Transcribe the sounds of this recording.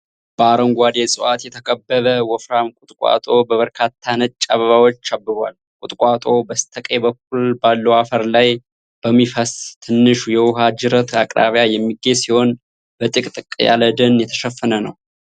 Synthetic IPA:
b̥əaɾəŋɡʷad̪esʼɨwat̪jɛt̪ʰəkʰʼəbːəðəwɔfɾamkʼut̪ʼkʼwa̰t̪ʼo̞bəβəɾkʰat̪ʰːanət͡ʃʼːaβəβawot͡ʃːabːɨɾal | kʷʼut̪ʼkʷʼat̪ʼo̞bəst̪ʰəkʼebək̚ːulbalːəwafəɾlaj | b̥əmːifəst̪ʰɨnːɨʃujɛwʊɦad͡ʒɨɾət̪akʼɾa̰βjajɛmːiɡe̞siho̞n | bət̪ʼɨkʼt̪ʼɨkʼːja̰ləd̪ənjɛt̪ʰəʃəfːənənəw

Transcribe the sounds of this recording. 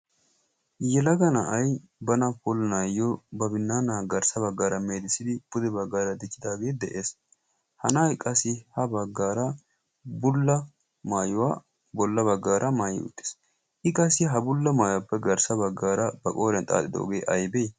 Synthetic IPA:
jɛlɐɡɐnɐʔɐj | bɐnɐpʊlɐnaːjɔbɐbɪnːaːnaːɡɐɾsɐbɐɡːaːɾɐmeːd̪ɪsɪd̪ɪb̥ʊd̪ɛbɐɡːaːɾɐd̪ɪkːɪd̪aːɡe̞ːd̪ɛʔeːs | hɐnaːjkʼɐsːɪhɐbɐɡːaːɾɐ | bʊlːɐ | maːjʊwaː | bɔlːɐbɐɡːaːɾʔɐmaːjɪ̰ʊ̰t̪ʼːɪ̥s | ʔɪkʼɐsːɪɦɐbʊlːɐmaːjwapːɛɡɐɾsɐbɐɡːaːɾɐbɐkʼoːɾɐnt̪ʼa̰ːt̪ʼːɪd̪o̰ɔ̰ɡeːʔɐjbɛj

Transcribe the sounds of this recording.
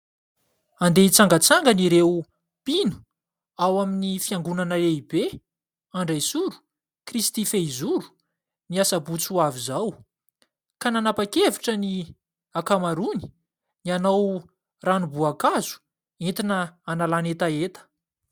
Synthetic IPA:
and̪eit͡saŋɡət͡saŋɡəniɾew | pinu̥ | awaminifiaŋɡunanəleibe | aɳɖ͡ʐejsuɾu̥ | krist̪ifeizuɾu̥ | miasabut͡suavizaw | kananapakeviʈ͡ʂəni | akamaɾuni̥ | nianaw | ranubuakazu̥ | ent̪inəanalanet̪aet̪ə̥

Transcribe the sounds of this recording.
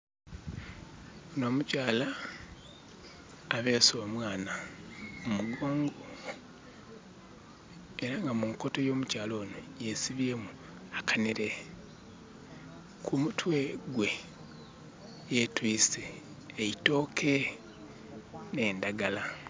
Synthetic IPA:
ono̞ːmucaːla | βe̞ːsomwaːna | umuɡo̞ːŋɡo | e̞ɾaŋɡamuŋko̞to̞jo̞ːmucaːlo̞ːnojesiβemu | akaneɾe̞ | kʰumutwe̞ɡwe̞ | jetwiːseː | ito̞ːkʰe̞ | ne̞ːndaɡala

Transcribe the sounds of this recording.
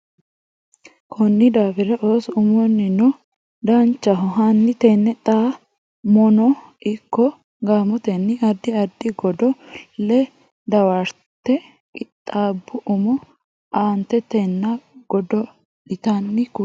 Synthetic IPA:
kʰɔnːɪd̪aːfɪɾɛʔoːsʊmɔnːɪnɔ | d̪ɐnt͡ʃːɐɦɔɦɐnːɪt̪ɛnːɛt̪ʼaː | mɔnɔ | ɪkːɔ | ɡaːmɔt̪ɛnːɪɐd̪ːɪɐd̪ːɪɡɔd̪ɔlɛ | d̪ɐwɐɾ | t̪ːɛ | kʼɪt̪ʼːaːbːʊʔʊmɔ | ʔaːnt̪ɛt̪ɛnːɐɡɔd̪ɔ | dɪt̪ɐnːɪkʊ

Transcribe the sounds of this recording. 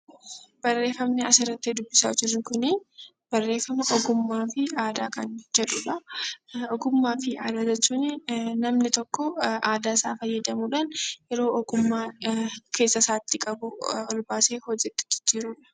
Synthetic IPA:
b̥ɐrːe̞ːfɐmnɪɐsɪɾɐt̪ːed̪ʊbːɪsa̰ːd͡ʒɪɾnɪkʊnɪ | b̥ɐrːe̞ːfɐmɐʔɔɡʊmːaːfɪaːd̪aːkɐnd͡ʒɛᶑʊᶑɐ | ɔɡʊmːaːfɪaːd̪aːd͡ʒɐt͡ʃːʊnɪnɐmnɪt̪ɔkːɔaːd̪aːsaːfɐjːɐd̪ɐmuːᶑaːnjɛɾo̞ːʔɔɡʊmːaːkʰe̞ːsːɐsaːt̪ːɪkʼɐbʊɔlbaːseːhɔd͡ʒɛt̪ːɪ̥d͡ʒɪ̥d͡ʒːiːɾuːᶑɐ̥

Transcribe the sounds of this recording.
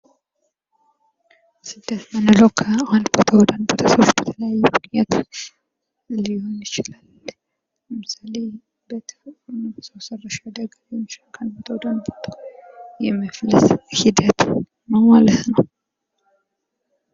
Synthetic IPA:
sɨd̪ːət̪mənɨləwkʰəahand̪bot̪ʰəwɔd̪ənbot̪ʰəsowsbət̪ʰələjajːukjat̪ʰ | lihonjɪt͡ʃɪlal | mɨsale | bət̪ʰsəwsərːəʃad̪əɡlɛmʃlʰhnd̪bot̪ʰəwɔd̪ənbot̪ʰə̥jɛməfləshid̪ət̪ | nəmalət̪nəw

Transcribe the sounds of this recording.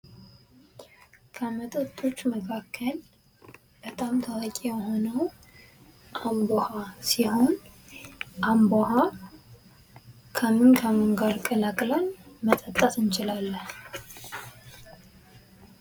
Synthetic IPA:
kʰəmət̪ʼət̪ʼːot͡ʃːməkʰakʰːəl | bət̪ʼamt̪ʰaɾkʼijɛho̞nəw | ʔambohasiho̞n | ʔamboha | kʰəmɨnkʰəmɨŋɡaɾkʼəlakʼlanmət̪ʼət̪ʼːəsɨnt͡ʃɪlalːəh

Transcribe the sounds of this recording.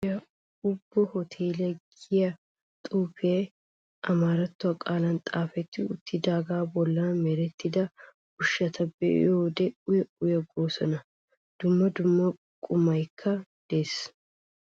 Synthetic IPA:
jɐ | ʊbːɔhɔt̪ʰeːlɛɡɪjɐ | t̪ʼuːfeː | ʔɐmaːɾɐt̪ːʊɐkʼaːlɐnt̪ʼaːfɛt̪ːɪʊ̰t̪ːɪd̪aːɡaːbɔlːɐnɐmɛɾɛt̪ːɪd̪ɐ | ʊʃːɐt̪ʰɐbɛ̰oːd̪ɛʊjɛʔʊjɐɡoːsɔnɐ | d̪̥ʊmːɐd̪ʊmːɐ | kʼʊmɐjkʰːɐd̪̥e̞ːs

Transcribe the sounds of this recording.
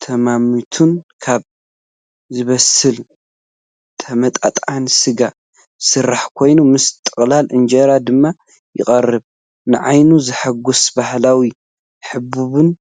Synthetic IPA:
t̪ʰɐmamit̪ʰunkʰaβ | zɨβɐsɨl | t̪ʰɐmɐt̪ʼa̰t̪ʼansɨɡa | sɨrːaħkʰo̞jnumɨst̪ʼɨχʼlalʔɨnd͡ʒɐɾad̪ɨmːa | jɪ̰kʼɐrːɨβ | nɨʕajnuzɨħaɡusbahlawi | ħɨbuβɨn

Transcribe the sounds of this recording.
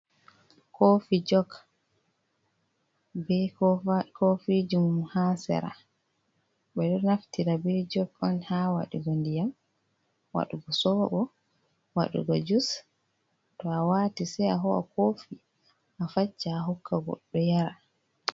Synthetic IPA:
kʰofid͡ʒɔɡ | bɛ | kʰofid͡ʒumhasɛ̰ɾa̰ | ɓɛɗɔnaftiɾabɛd͡ʒɔɡɔnhawa̰ɗuɡɔndijam | wa̰ɗuɡɔsɔbabɔ | wa̰ɗṵɡɔd͡ʒus | tɔawatisɛjaɦɔa̰kofi | ʔafat͡ʃːaɦɔkʰːaɡɔ̰ɗːɔjaɾa

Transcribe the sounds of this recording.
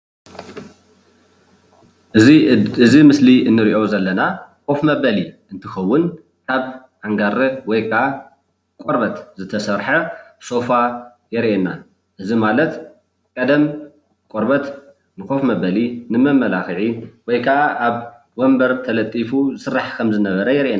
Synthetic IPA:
ɨzimɨsliʔɨnːɨɾiʔo̞zɐlːɐnakʰʼo̞fmɐbɐli | ɨnt̪ʰɨxɐwːʊn | kʰaβ | ʔaŋɡaɾɐwɔjkʰɐʔa | kʼoɾbɐt̪zɨt̪ʰɐsɐɾħɐso̞fa | jɛɾʔenːa | ʔɨzimalɐt̪ | kʼɐd̪ɐm | kʼoɾbɐt̪ | nɨko̞fmɐβɐlinɨmɐmːɐlaxɨʕiwɔjkʰɐʔaʔaβ | wombɐɾt̪ʰɐlɐt̪ʼːifuzɨsɨrːaħkʰɐmzɨnɐβɐɾɐjɛɾʔena

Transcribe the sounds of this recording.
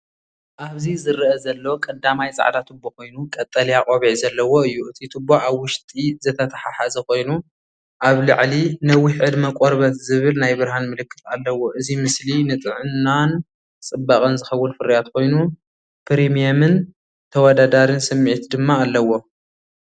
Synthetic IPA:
ʔaβzizɨɾʔɐzɐlːokʼɐd̪amajt͡sʼa̰ʕd̪at̪ʰɨbːoko̞jnukʼɐt̪ʼːɐlijakʼoβiʕzɐlːɐwoɨjːuʔɨt̪ʰit̪ʰɨbːoʕaβwʊʃt̪ʼizɨt̪ʰɐt̪ʰɐħaħazɐko̞jnu | ʔaβlɨ̰ʕlinɐwːiħʕɨd̪mɐkʼoɾbɐt̪zɨβɨlnajbɨɾhanmɨlɨkːɨt̪alːɐwo̞ʔɨzimɨslinɨt̪ʼɨʕɨnːan | t͡sʼɨbːakʼɐnzɨxɐwːʊnfɨɾijat̪kʰo̞jnu | pʰɾimijamɨn | t̪ʰɐwɔd̪ad̪aɾɨnsɨmːiʕt̪ʰd̪ɨmːaːlːɐwo̞

